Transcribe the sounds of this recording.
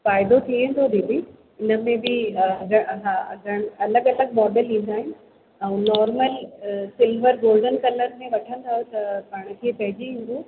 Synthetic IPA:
faːɪd̪ot̪ʰiə̃nd̪ʱod̪iːbi | ɪnə̆mẽbɪɡʱɐɦaɡʱɐɽ̃ɐləɠɐləɡ̚mɔːɖəlĩːn̆d̪aːɦɪnɪ̆ | ɛ̃ːnɔːɾməlsɪlʋəɾɡoːlɖənkɐləɾmẽʋɐʈʰə̃nd̪ʰʱaːjot̪ɐpaːɽ̃̆kʰeːpɐɦɪd͡ʑiɦĩːn̆d̪oː

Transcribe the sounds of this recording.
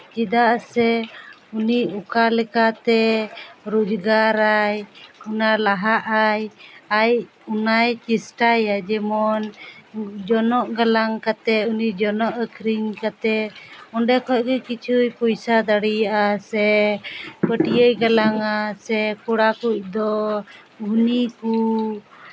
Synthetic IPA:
d͡ʒid̪aʔsɛuniʔukalɛkat̪ɛɾud͡ʒɡaɾajunalaɦaʔajaj | unajt͡ʃisʈajad͡ʒɛmɔn | d͡ʒɔnɔʔɡalaŋkat̪ɛunid͡ʒɔnɔʔəkʰɾiɲkat̪ɛɔɳɖɛkʰɔc̚kɛkit͡ʃʰujpɔjsad̪aɽijaʔasɛ | pəʈijəjɡalaŋasɛkɔɽakuc̚d̪ɔ | uniku

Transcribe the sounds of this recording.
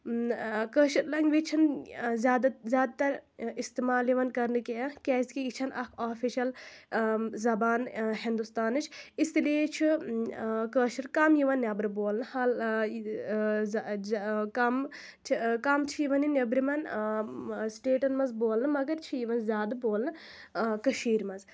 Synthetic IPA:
kəːʃiɾlɐŋɡʋit͡ʃʰinzʲaːd̪zʲjaːd̪̚t̪ɐɾist̪imaːljiʋɐnkɐɾnɨkeɐkʲɛːskiit͡ʃʰɐnɐkʰaːfʰiʃɐl | zɐbaːnɦind̪ust̪aːnɨt͡ʃʰist̪ilit͡ʃʰi | kəːʃiɾkɐmjiʋɐnːjʲɐbɾɨboːlnɨhɐl | z | kɐm | t͡ʃʰkɐmt͡ʃʰijiʋɐninʲɐbɾimɐn | sʈeːʈɐnmɐnzboːlnɨmɐɡɐɾt͡ʃʰijiʋɐnzʲjaːd̪ɐboːlnɨkɐʃiːɾmɐnz

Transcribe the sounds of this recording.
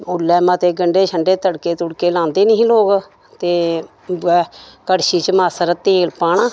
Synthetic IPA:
ʊlːɛːmət̪eːɡəɳɖeːt͡ʃʰəɳɖeːt̪əɽkeːt̪ʊɽkeːlãːnd̪eːnəĩloːɡ | t̪eː | ɛːkəɽʃiːt͡ʃəmaːsəɾət̪ːeːlpaːɳãː

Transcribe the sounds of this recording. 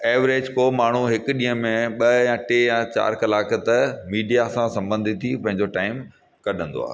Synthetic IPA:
eːʋɾeːd͡ʑkoːmaːɳ̤uɦɪkɗĩːɦə̃mẽɓɐjãʈejãt͡ɕa̰ːɾkɐlaːkət̪ɐmiːɖijasãsɐ̃mbə̃nd̪ʱit̪ʰːipɐ̃ɦɪ̃ɲd͡ʑoʈaːɪm | kɐɗ̤ə̃nd̪o̰a̰ːɦ

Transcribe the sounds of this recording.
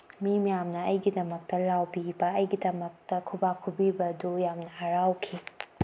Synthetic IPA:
mimijamnɐɐjɡidɐmɐk̚tɐlawbibɐɐjɡidɐmɐk̚tɐkʰubakʰubibɐdujamnɐːɾawkʰi

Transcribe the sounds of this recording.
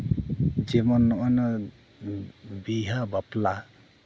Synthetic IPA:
d͡ʒɛmɔnːɔʔɔnɔ | biɦabapla

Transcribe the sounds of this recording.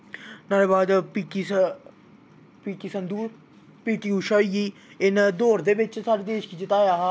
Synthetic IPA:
naːleːbaːd̪piːki | piːkiːsənd̪uːɾ | piːkiːuʃɔːiɡiː | ɪnd̪oːɾd̪eːʋɪt͡ʃsaːɾeːd̪eːʃkiːd͡ʒɪt̪aːjaːɦa

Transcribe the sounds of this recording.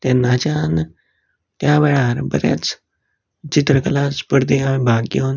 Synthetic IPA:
t̪enaːt͡ʃaːn | t̪jaːʋɛːɭaɾbə̰ɾja̰t͡s | t͡ʃit̪ɾəkəlaːspəɾd̪eamĩbʱaːɡjoːn

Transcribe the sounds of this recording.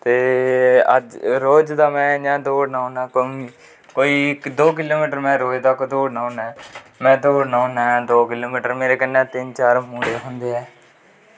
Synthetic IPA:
t̪eːə̰d͡ʒɾoːd͡ʒd̪aːmɛ̃ːd͡ʒãːd̪oːɖnaːʊnãːkoiː | koːiːkd̪oːk̬ɪloːmiːʈəɾmɛ̃ːɾoːeːd̪aːkod̪oːɖnaːʊnɛ̃ː | mɛ̃ːd̪oːɖnaːnad̪oːkɪloːmiːʈəɾmeːɾeːkənːɛ̃ːt̪ɪnt͡ʃaːɾmũːɽeːɦʊnd̪eːɛː

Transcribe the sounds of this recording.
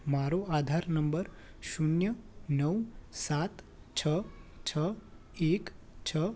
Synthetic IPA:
maɾoad̪ʱaɾnəmbəɾ | ʃunjənəwsat̪ | t͡ʃʰət͡ʃʰə | ek | t͡ʃʰə

